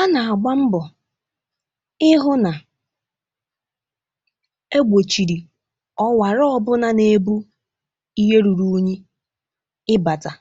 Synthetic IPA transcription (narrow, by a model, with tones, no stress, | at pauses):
a˦na˨a˨ɡ͡ba˦m̩˦bɔ˨ | ɪ˦ɦʊ˦na˨ | e˦ɡ͡bʷo˨t͡ʃi˨ɾi˨ | ɔ˦wa˨ɾɔ˦ɔ˦bʊ˦na˦ne˨bu˦ | i˦ɦe˦ɾu˨ɾu˦ɲi˦ | ɪ˦ba˨ta˨